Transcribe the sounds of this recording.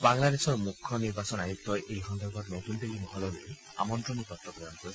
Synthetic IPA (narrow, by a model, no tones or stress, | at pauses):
baŋlad̪eʃɔɾmukʰːɔniɾbasɔnajuk̚t̪ɔeʔejɦɔnd̪ɔɾɡɔt̪nɔt̪und̪elimɔɦɔlɔlej | a̰mɔnt̪ɾɔnikɔt̪ːɔpɾɔjɔnkɔɾʰ